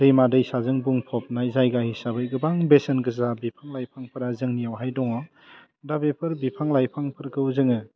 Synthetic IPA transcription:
dɯjmadɯjsazɯŋbuŋpʰɔp̚najzajɡahisabɯjɡɯbaŋbesenɡɯzabipʰaŋlajpʰaŋpʰɯɾazɯŋnijawɦajdɔŋɔ | dabepʰɯɾbipʰaŋlajpʰaŋpʰɯɾkɯwzɯŋɯ

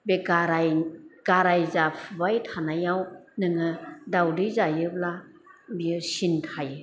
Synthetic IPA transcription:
beɡaɾajɡ̥aɾajzapʰɯbajtʰanajawnɯŋɯdawdɯzajɯbla | biɯsintʰajɯ

